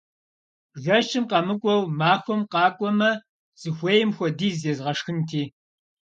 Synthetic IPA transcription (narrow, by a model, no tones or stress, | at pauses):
ɣɐʃʰʼɨmqɐmɨkʷʼɔwmaːxʷɔmqɑːkʷʼɔmɐ | z̥ɨxʷeːjɪmxʷɔdiːzezʁɐʂxɨntʰiː